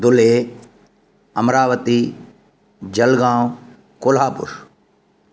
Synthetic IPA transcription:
d̪ʊleː | ɐmɾaːʋət̪i | d͡ʒɐlɡãːw | kʊlɦaːpʊ̰ɾ

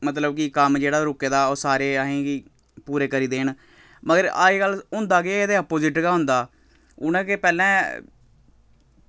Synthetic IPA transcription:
mət̪ləb̚kikəmd͡ʒeːɽaːɾʊkːeːd̪aːoːsaːɾeːaɦẽːɡiː | puːɾeːkəɾiːd̪eːɳ | məɡəɾa̰ːeːɡəlʊnd̪aːɡeːeːd̪eəpoːzɪʈɡaːɦʊ̃nd̪aː | ʊnãːkepɛːlɛ̃ː

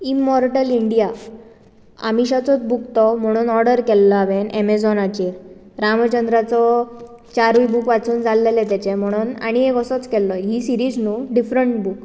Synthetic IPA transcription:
imːɔɾʈəliɳɖija | a̰miɕat͡sɔt͡sbukt̪ɔm̤əɽ̃uːnɔɾɽəɾkɛlːaʋenemed͡zɔnat͡ɕiɾ | ɾamt͡ɕənd̪ɾat͡sɔt͡ɕaɾʋibukʋat͡suːnd͡zʱalːelet̪at͡ɕem̤əɽ̃uːna̰ɽ̃iekəsɔt͡skɛlːɔɦiːsiɾiːd͡znuːɖifɾəɳʈbuk

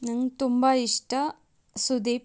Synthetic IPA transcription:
naŋt̪umbaːiʂʈɐ | sud̪eː

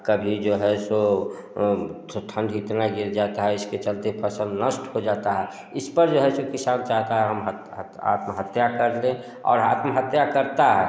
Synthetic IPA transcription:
kəbʱid͡ʒoɦɛso | ʈʰə̃nɖɪt̪naɡɪɾd͡ʒat̪aɦɛɪsket͡ʃəlt̪epʰəsə̃nd̪nəsʈɦod͡ʒat̪aɦɛ | ɪspəɾd͡ʒoɦɛsokɪsaːnt͡ʃaɦt̪aɦɛɦəmɦə | a̰t̪məɦət̪jakəɾlẽ | ɔ̰ːɾaːt̪məɦət̪jakəɾt̪aɦɛ

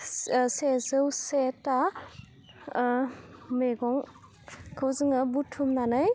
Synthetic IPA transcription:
sezɯwseta | meɡɔŋ | kʰawzɯŋabutʰumnanaj

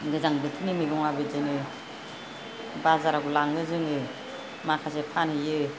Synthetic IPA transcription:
ɡɯzaŋbɯtʰinimiɡɔŋabɯd͡ʒɯnɯ | bazaɾaɡulaŋɯzɯŋɯ | makʰasepʰanhɯjɯ

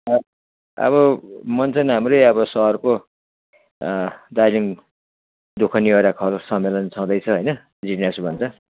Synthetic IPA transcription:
ʌ | ʌ̰βʌmʌnt͡sʰʌnɦamrʌjʌbʌsʌʌrko | d̪ajliŋ | d̪ukʰʌnioɾakʰʌlsʌmːelʌnt͡sʰaw̃d̪ʌjt͡sʰʌɦʌjnʌ | d͡ziʈnesubʱʌnt͡sʰʌ

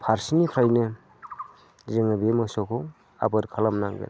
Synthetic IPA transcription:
pʰaɾsinipʰɾajnɯ | zɯŋɯbemɯsɔkʰɔ | a̰bɯɾkʰalamnaŋɡɯ̰n

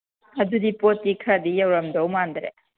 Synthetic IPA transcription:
ɐdudipotːikʰɾadijɐwɾɐmdowmandɾḛ

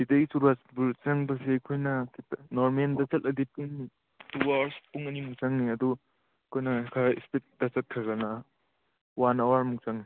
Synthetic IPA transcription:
bideisuɾuasbuɾt͡ʃɐŋbɐseɐkʰojnɐkitnɔɾmendɐt͡ʃɐt̚ʔɐdipuŋ | tuawaɾspuŋɐnimuk̚t͡ʃaŋniɐd̪u | ɐkʰojnɐkʰaḭspet̚d̥ɐt͡ʃɐt̚kʰɾɐɡɐnɐ | wanawaɾmuk̚t͡ʃaŋni

